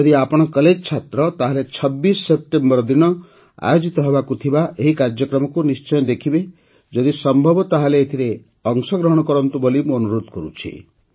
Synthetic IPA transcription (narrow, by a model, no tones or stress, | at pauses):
d͡ʒɔd̪iapɔɽ̃ɔkɔled͡ʒɔt͡ʃʰat̪ɾɔt̪aɦalet͡ʃʰɔbːisɔːep̚ʈembɔɾɔd̪inɔ | a̰jod͡ʒit̪ɔɦebakut̪ʰibaʔeɦikaɾd͡ʒjɔkɾɔmɔkunist͡ʃɔjɔd̪ekʰibe | d͡ʒɔd̪isɔmbʱɔbɔt̪aɦaleːt̪ʰiɾe | ɔŋsɔɡɾɔɦɔɽ̃ɔkɔɾɔnt̪ubolimũɔnuɾod̪kɔɾut͡ʃʰḭ